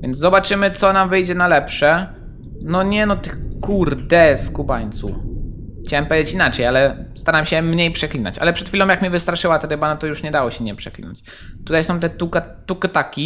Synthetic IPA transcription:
vʲjɛnd̪zzɔbat͡ʂɘmɘt̪sɔnamvɘjd͡ʑɛnalɛpʂɛ | nɔɲɛnɔt̪ɘxkuɾd̪ɛskubaɲt̪su | xt͡ɕawɛmpɛjet͡ɕinat͡ʂɛjalɛst̪aɾamɕɛmɲejpʂɛklʲina̰t͡ɕa̰lɛpʂɛt̪xʲilɔ̃m̃jakmʲɛvɨst̪ɾaʂɘwat̪aɾɘbanɔt̪ɔjuʂɲɛd̪awɔɕɛmɲɛjpʂɛklʲḭna̰t͡ɕ | t̪ut̪ajsɔ̃w̃t̪ɛt̪ukat̪ukt̪akʲi

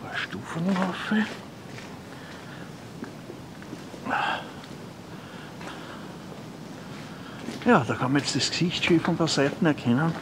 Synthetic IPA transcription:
ʃtuːfənafe | jɑːd̥̪ɑkʰɑ̃nmɐjestd̥esksiçtʃiːfɔ̃npasɛɪt̪n̩ɛɐkʰɛnən

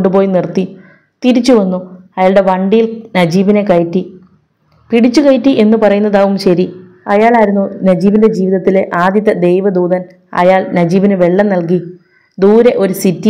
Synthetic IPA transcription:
ɳɖupo̞ːjnirt̪i | t̪iɾit͡ɕːuʋɐnːuɐjaːɭɽe̞ʋɐɳɖijilnɐd͡ʑiːʋine̞kɐjtːi | piɽit͡ɕːukɐjtːiʔe̞nːupɐrɐjunːɐðaːʋumɕɐɾi | ɐjaːɭaːɾunːunɐd͡ʑiːʋinde̞d͡ʑiːʋiðɐt̪ːileʔaːd̪jɐt̪ːɐd̪e̞jʋɐd̪uːðɐn | ɐ̰jaːɭnɐd͡ʑiːʋinɨʋe̞ɭːɐmnɐlk̬i | d̪uːɾeʔo̞ɾusitːi

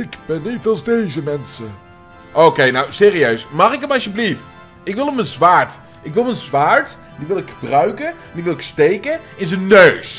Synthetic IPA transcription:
ɪɡbɛnːitɑlˠzdejzəmɛnsə | ʔowkejnawsɪːriøɥsmɑχɪkəmɑlsjəblift | ɪkʋɪlˠəmənzʋaːɹt | ɪkʋɪlˠmənzʋaːɹt | diʋɪlˠɪkχəbrœɥkə | ndiɪkʋɪlˠɪkstejkəɪnzənːøɥs

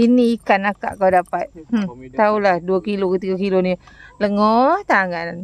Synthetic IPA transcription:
iniikanaka̰ʔkawdapat̪̩̚t̪aulahduakilokət̪iɡakilonĩləŋɔt̪aŋan

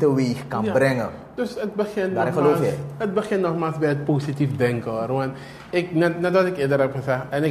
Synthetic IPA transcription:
təʋexkanabrɛŋə | d̥øsət̚bəχɪndaɾɛəlloːfɛət̚bəχɪnːɔχmaːlˠsbɛjət̚poːsitifdɛŋkəruan | ɪknɛtnɛtʋɔtɪkɪədərɛpχəsɛχtɛnɪ

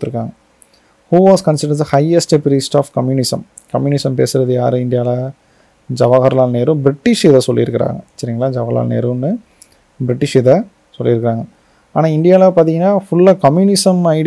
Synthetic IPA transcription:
t̪ːɯɾɯkːa̰ːŋɡɐ | huːʋaːskɐnsɪɖdɐhɐɪɐsʈɐpɪɾiːsʈaːfkɐmjuːnɪsɐ̰m | kɐmjuːnɪsɐmpeːsɯɾɐðɯjaːɾɯɪnɖ̪ɪjaːlɐ | d͡ʒɐʋaːɣɐɾɐlaːlneːɾɯ̃bɾɪʈːɪʂɪðɐsɔlːɪɾɯkːɪɾa̰ːŋɡɐsːɐɾɪŋɡɐlaːd͡ʒɐʋaːla̰ːlnḛːɾũnːɯ | bɾɪʈːɪʂɪðɐ | sɔlːɪɾɯkːɪɾaːŋɡɐ | aːnaːɪnɖ̪ɪjaːlɐpaːɾt̪̬ĩŋɡɐnːaːfʊɭːɐkɐmjuːnɪsɐmɐɪɽ

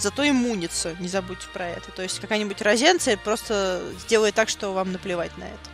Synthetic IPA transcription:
zɐt̪o̞ɪmːunʲɪt̪sʊnʲɪzɐbut̚ʲtʲɪ̥pɾɐɛ̰t̪ət̪o̞ɪsʲtʲkɐkajnʲɪbʊtʲrɐzʲent̪sɨəpɾo̞st̪əzʲdʲe̞lˠəjɪt̪akʂt̪o̞vamnəplʲɪvatʲnɐ̰ɛ̰ə̥

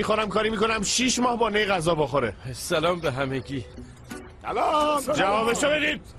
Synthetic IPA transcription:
ixoɾæmkʰɒːɾimiːko̞næmʃiːʃmɒːhbɒːnejɣæzɒːboxoɾesælɒːmbeɦæmekʰiː | lːd͡ʒævɒːbeʃobed̪iːd̪̥̚

